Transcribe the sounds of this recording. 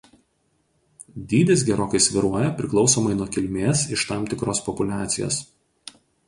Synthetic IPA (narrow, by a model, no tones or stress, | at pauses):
d̪ʲiːd̪ʲesɡʲɛɾoːkɐɪsʲʋʲɪɾuɔjɛpʲɾʲɪklˠɒʊsoːmɐɪnuɔkʲɪlʲmʲeːsɪʃt̪ɑːmt̪ʲɪkɾoːspɔpʊlʲæːt̪sʲɪjo̰ːs